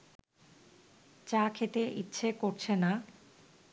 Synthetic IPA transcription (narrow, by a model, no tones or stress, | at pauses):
t͡ɕakʰet̪eʔitːɕʰekoɾt͡ɕʰena